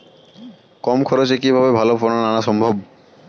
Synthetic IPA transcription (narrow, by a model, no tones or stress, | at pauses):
kɔmkʰɔɾot͡ɕek̬ibʱaβebʱalofononanaʃɔmbʱob